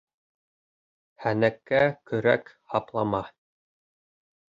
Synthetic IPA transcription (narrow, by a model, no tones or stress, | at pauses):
hænækːækɵ̆ɾæ̰k | hɑplˠɑmɑ